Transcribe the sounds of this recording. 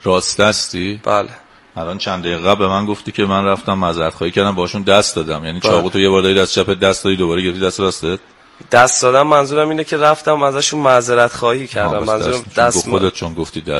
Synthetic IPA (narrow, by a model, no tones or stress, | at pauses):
rɒːst̪æst̪iːb̥æle | ælɒːnt͡ʃʰænd̪æjiɣæblbemænɡo̞ft̪iːcʰe̞mænræft̪æmːæzeɾæt̪χɒːhiːcʰæɾd̪æmbɒhɔʃund̪æst̪d̪ɒːd̪æmjæːnit͡ʃʰɒːɣut̪ʰojebɒːɾd̪ɒːɾid̪æst͡ʃʰæpʰed̪æst̪d̪ɒːd̪iːd̪o̞bɒːɾeɟeɾeft̪id̪æst̪ɾɒːst̪et̪ | d̪̥æst̪d̪ɒːd̪æmːænzuːɾæmiːnecʰeɾæft̪æmæzæʃunmæzeɾæt̪xɒːhiːcʰæɾd̪æmænzuood̪et̪̚ʰt͡ʃʰonɡoft̪iːd̪æ